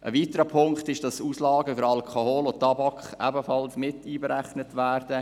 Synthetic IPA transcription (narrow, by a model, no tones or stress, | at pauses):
ʔəʋiːtəɾəpʰʊŋktɪʃd̥ɑsuːslɑːɡəfʏɾɑlkʰohoːlotːɑbɑkχʔæbəfɑlsmɪtiːbəɾæχnətʋæːrdə